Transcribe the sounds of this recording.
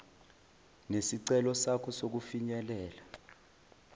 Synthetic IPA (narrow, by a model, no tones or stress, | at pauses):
nesiǀɛlɔsakʰɔsok̬ufiɲɛlɛːla